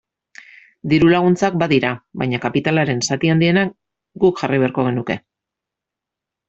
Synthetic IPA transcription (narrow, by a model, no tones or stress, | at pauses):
d̪iɾulaɣ̞unt͡sak̚baðiɾaβa̰jɲakapit̪alaɾe̞nsat̪iand̪ie̞nak | ɡukʝariβ̞e̞aɾko̞ɣ̞e̞nuke̞̰